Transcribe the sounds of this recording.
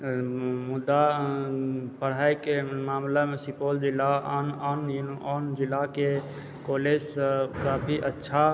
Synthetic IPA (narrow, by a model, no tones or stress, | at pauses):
mud̪ːa | pəɽ̤ajkemaːmlamesipold͡ʒilːaananjunand͡ʒilːake | koled͡ʒsəkaːpʰiʔətːʃʰa